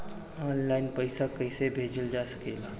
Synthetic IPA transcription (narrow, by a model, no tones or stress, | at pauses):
ɔːnlaːɪnpəɪsakɐɪsebʱeːd͡ʒəld͡ʒaːsə̥keːlaː